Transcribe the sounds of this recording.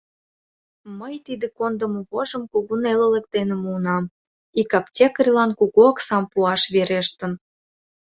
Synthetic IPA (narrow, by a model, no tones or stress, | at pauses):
məjt̪id̪ekond̪əmoβoʒəmkoɣunelĕlə̆k̚d̪enemuːnɑm | ikɑptʲekərʲlɑnkuɣoɑksɑmpuɑʃβeɾeʃt̪ə̆n